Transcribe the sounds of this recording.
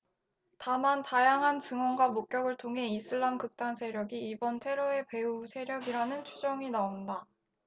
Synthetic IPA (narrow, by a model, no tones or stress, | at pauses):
tamantajaŋɦant͡ɕɯŋwʌnɡwamok͈̚jʌɡɯɭtʰoŋɦe̞isʰɯɭːamkɯk̚t͈ansʰe̞ɾjʌɡiːbʌntʰe̞ɾoe̞pe̞usʰe̞ɾjʌɡiɾanɯnt͡ɕʰud͡ʑʌŋinaonda